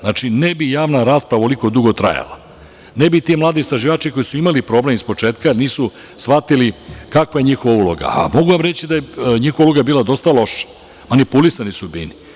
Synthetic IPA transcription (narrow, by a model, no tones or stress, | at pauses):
znat͡ʂinebijaːʋnaɾaːspɾaʋaoliko̞d̪uɡo̞t̪ɾa̰ja̰la̰ | nebit̪imlˠaːd̪ist̪ɾaʒiʋaːt͡ʃiko̞jisuimalipɾo̞blemispo̞t͡ʂeːt̪kaniːsu | sʋat̪ilikakʋaje̞ɲixoʋaulo̞̰ɡa̰a̰mo̞ɡuʋamɾet͡ɕid̪ajeɲixoʋauloɡabiːlˠad̪o̞st̪alo̞ʃḁ | manipulisanisubḭni